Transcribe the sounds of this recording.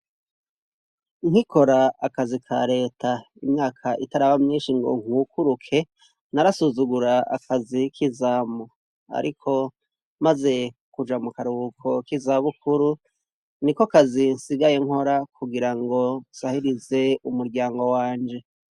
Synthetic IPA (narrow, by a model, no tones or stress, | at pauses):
ŋhiko̞ɾaakazikʰa̰ɾe̞ːtʰa | imɲaːkʰaʔitaɾaβamɲiːnʃiŋɡo̰ŋ̥hukuɾukʰe̞ | naɾasuzuɡuɾaa̰kazikʰizaːmo | a̰ɾʔikʰo̞ | maze̞ | kud͡ʒamukaɾuukʰo̞kizaβukuɾu | niko̞kazinsiɡaje̞ŋho̞ɾakʰuɡiɾaŋɡo̞sahiɾize̞umuɾɟaːŋɡo̞waːɲd͡ʒe̞